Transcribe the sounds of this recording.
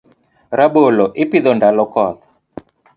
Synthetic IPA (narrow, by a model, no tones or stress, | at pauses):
ɾabolɔʔɪpiðɔndalɔkɔt̪a